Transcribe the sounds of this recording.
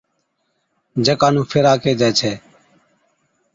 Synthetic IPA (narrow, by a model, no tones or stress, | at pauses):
d͡ʒəkaːnũːpʰɪɾaːkeːd͡ʒaːt͡ʃʰeː